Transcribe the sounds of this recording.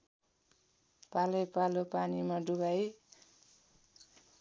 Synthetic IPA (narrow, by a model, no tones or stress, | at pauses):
palʌjpalopanimaɖuɡaj